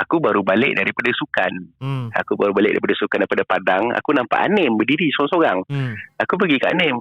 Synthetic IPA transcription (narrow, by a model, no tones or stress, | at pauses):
akubaɾubalɪʔ̚daɾipadasukana̰kubaɾubalɪk̚da̰ɾipadasukandaɾipadapadaŋa̰kunampa̰ʔa̰nɛmbədiɾisoɣaŋsoɾaŋakup̬əɡikaʔa̰nɛm